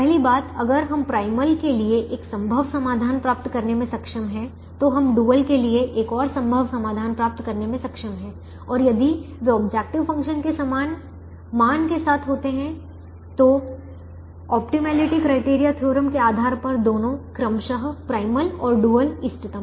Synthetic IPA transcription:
pɛɦlibaːt̪ɐɡəɾɦɐmpɾaːɪməlkelieʔeːksɐ̃mbʱəʋsɐmaːd̪ʱaːnpɾaːp̚t̪kɐɾnemẽsɐkʃəmɦɛ̃ | t̪oɦɐmɖuːəlkelieʔeːkɔːɾsɐ̃mbʱəʋsɐmaːd̪ʱaːnpɾaːp̚t̪kɐɾnemẽsɐkʃəmɦɛ̃ː | ɔːɾjɐd̪id͡ʒoəbd͡ʒɛːk̚ʈɪʋfɐ̃ŋkʃənkesɐmaːn | maːnkesaːt̪ʰɦoːt̪eɦɛ̃ | t̪o | ɔːpʈimɛːlɪʈikɾaːɪʈeːɾijat̪ʰjoːɾəmkeaːd̪ʱaːɾpɐɾd̪oːnõkɾɐmʃəɦpɾaːɪməlɔːɾɖuːəlɪsʈɪt̪əm

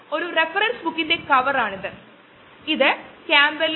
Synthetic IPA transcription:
o̞ɾurefɐɾɐnsbukːindekɐʋɐɾaːɳiðɨ | iðɨkaːmbɐl

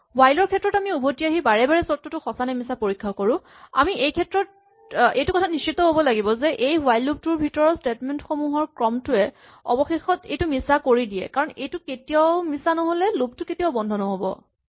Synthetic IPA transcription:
wajlɔɹkʰɛtːɹɔtamiubʱotiaɦibaɹɛbaɹɛsɔtːɔtʊxɔsanɛmisapoɹikʰːakoɹʊ̃ | a̰miʔejkʰɛtɹɔt̚ | ejtʊkɔtʰanist͡ʃitːɔɦobɔlaɡibɔzɛʔejwajlub̚tuɹbʱitɔɹɔstetmɛntxomuɦɔɹkɹɔmtʊɛ | ɔ̰bɔxexɔtḛjtʊmisakoɹidijɛ̰kaɹɔnejtʊketijaʊmisanɔɦolɛlub̚tʊketiaʊbɔndʱɔnɔɦobɔ̰

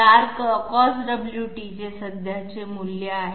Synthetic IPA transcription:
aɾkkɔsɖəbljuʈit͡ɕesəd̪ʱjat͡semuljaaɦ

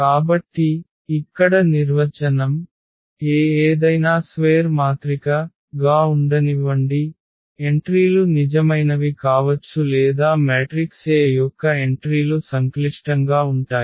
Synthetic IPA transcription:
kaːbɐʈːiː | kːɐɽɐniɾʋɐt͡ʃɐnɐm | eːeːd̪ɐjnaːsʋeːɾmaːt̪ɾikɐ | ɡaːuɳɖɐniʋɐɳɖi | eɳʈɾiːlunid͡ʒɐmɐjnɐʋikaːʋɐt͡ʃːulɛːd̪aːmeːʈɾikseːjɔkːɐe̞ɳʈɾiːlusɐŋkliʂʈɐŋɡaːuɳʈaːji

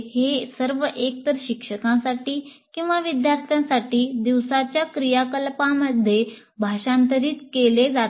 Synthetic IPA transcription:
hesəɾʋəʔek̚t̪əɾɕikʂəkãsaʈiː | kĩw̃ʋaʋid̪jaɾt̪ʰjãsaʈiːd̪iʋsat͡ɕjakɾijakəlpãməd̪ʱːje | bʱaɕãnt̪əɾiːt̪keled͡zat̪

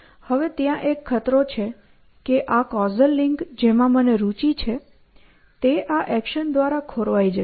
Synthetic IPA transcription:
həʋet̪jãʔekʰːət̪ɾot͡ʃʰe | keʔakɔzəlːɪŋkd͡ʒemãməneɾut͡ʃit͡ʃʰe | t̪eʔaʔɛkʃənd̪ʋaɾakʰoɾʋajd͡ʒə

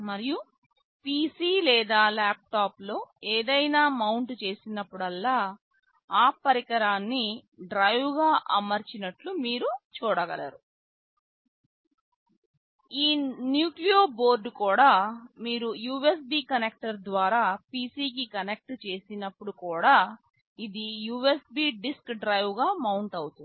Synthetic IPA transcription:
mɐɾiju | pisiːlɛːd̪aːlaːp̚ʈaːplo̞ːeːd̪ɐjnaːmɐwɳʈt͡ʃe̞ːsinɐpːuɽɐlːaː | aːpːɐɾikɐɾaːnːiɖɾɐjʋɡaːʔɐmɐɾt͡ʃinɐʈlumiːɾut͡ʃuːɽɐɡɐ̰la̰ːɾu | iːnjuːklioːbo̞ːɾɖkuːɽaːmiːɾujuːe̞s̬biːkɐnek̚ʈɐɾd̪ʋaːɾaːpiːsiːk̬ikɐnek̚ʈt͡ʃe̞ːsinɐpːuɽukuːɽaː | id̪ijuːesbiːɖiskɖɾɐjʋɡaːmɐwɳʈɐwut̪u

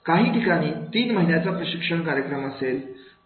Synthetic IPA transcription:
kaɦiːʈikaɽ̃iːt̪iːnməɦinjat͡sapɾəɕikʂəɳkaɾjəkɾəməsel

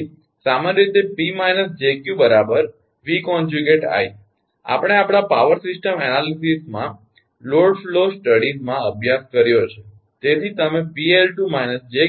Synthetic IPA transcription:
samanəɾit̪epimainəsd͡ʒekjubəɾabəɾ | ʋikɔ̃nd͡ʒuɡeʈa̰j | a̰pəɽ̃eapɽ̃apaʋəɾsisʈəmɛnalisismã | loɖflosʈəɽizmãəbʱjaskəɾjot͡ʃʰe | t̪et̪ʰit̪əmepielʈumainəsd͡ʒe

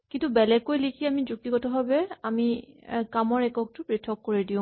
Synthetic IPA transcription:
kintubɛlɛɡkːojlikʰiamizuk̚tikɔtɔɦɔbɛamikamɔɹɛkɔk̚tʊpɹitʰːɔkːoɹidiʊ̃

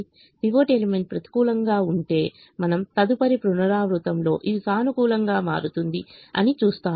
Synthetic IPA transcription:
t̪iʋoːʈeːlimeɳʈ̚pɾɐt̪i̥kuːlɐŋɡaːuɳʈe̞ː | mɐnɐmt̪ɐd̪upɐɾipɾunɐɾaːʋɾut̪ɐmlo̞ːʔiʋisaːnukuːlɐŋɡaːma̰ːɾut̪und̪iɐ̰nit͡ʃuːst̪aː

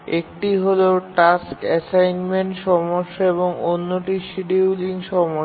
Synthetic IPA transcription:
ek̚ʈiɦoloʈaskɛsajnmeɳʈʃɔmoʃːaeβoŋonːoʈiʃiɖiwliŋʃɔmoʃ

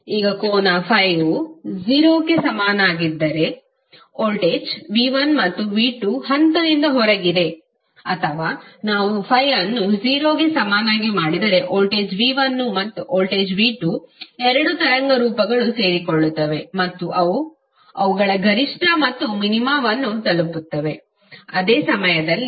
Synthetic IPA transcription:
iːɡɐkoːnapʰɐjud͡ʒiːɾoːɡe̞sɐmaːnaːɡid̪ːɐɾe̞ | oːlʈeːd͡ʒʋiːʋɐnmɐt̪ːuʋiːʈuhɐnt̪ɐd̪ind̪ɐɦɔɾɐɡid̪e̞ | ɐt̪ʰɐʋaːnaːʋupʰɐjɐnːud͡ʒiːɾoːɡesɐmaːnaːɡimaːɽid̪ɐɾe̞ʔoːlʈe̞ːd͡ʒʋiːʋɐnːumɐt̪ːuʔoːlʈe̞ːd͡ʒʋiːʈuɛɾɐɽut̪ɐɾɐŋɡɐɾuːpɐɡɐɭuse̞ːɾikoɭːut̪ːɐʋe̞mɐt̪ːuʔɐʋu | ɐʋuɡɐɭɐɡʱɐɾiʂʈʰɐmɐt̪ːuminimaːʋɐnːut̪ɐluput̪ːɐʋe̞ | ɐd̪eːsɐmɐjɐd̪ɐlːi

